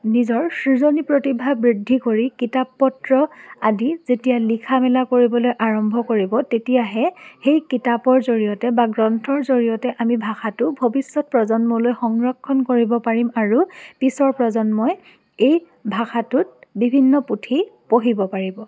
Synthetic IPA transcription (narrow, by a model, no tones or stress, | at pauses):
nizɔɹsɹizonipɹotibʱabɹidʱːikoɹikitapːɔtɹɔadizetijalikʰamɛlakoɹibɔlojʔaɹɔmbʱɔkoɹibɔtetijaɦɛxejkitapɔɹzoɹijɔtɛbaɡɹɔntʰɔɹzoɹijɔtɛʔamibʱaxatʊbʱobisːɔt̚pɹɔzɔnmɔlojxɔŋɹɔkʰːɔnkoɹibɔpaɹimaɹupisɔɹpɹɔzɔnmɔj | ej | bʱaxatʊt̚bibʱinːɔputʰipoɦibɔpaɹibɔ